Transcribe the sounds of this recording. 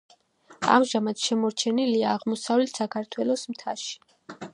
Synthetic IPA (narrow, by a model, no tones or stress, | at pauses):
a̰mʒamat̪ʃɛmɔɾt͡ʃʰɛniliaːʁmɔsavlɛt̪ʰsakʰaɾt̪ʰwɛlˠɔsmt̪ʰa̰ʃi̥